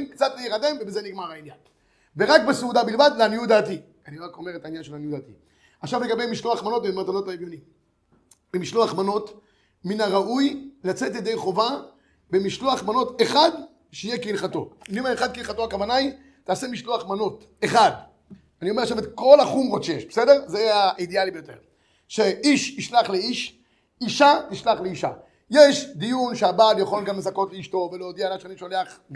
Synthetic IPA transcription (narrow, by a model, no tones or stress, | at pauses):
mkt͡sat̪lejiʁademvebezeniɡmaʁailja | veʁakbeseudabilvad̪leanjud̪aːti | aniʁako̞meet̪ainjanʃelanjud̪aːt̪i | aχʃavleɡabejmiʃloaχmano̞tmematano̞taivjoni | b̥emiʃloaχmano̞t | minaʁaʔujlat͡se̞tled̪ejχo̞va | bemiʃloaχmano̞teχad | ʃeijekilχato̞̰imaeχad̪kilχatoakavanaj | taːsemiʃloaχmano̞t | eχad | anioeʃametko̞laχumʁotʃejeʃbese̞de̞ʁzeaidealibejote̞̰ʁ | ʃeʔiʃiʃlaχleiʃ | iʃatiʃlaχleiʃa̰ | je̞ʃd̪ijunʃeababjaχo̞lɡamlezako̞tleiʃto̞velojod̪ialaʃanimʃo̞le̞aχɡ